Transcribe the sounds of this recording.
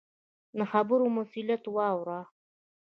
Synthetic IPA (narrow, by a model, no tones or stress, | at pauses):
naxabʊɾumʊsilat̪wɑwɾa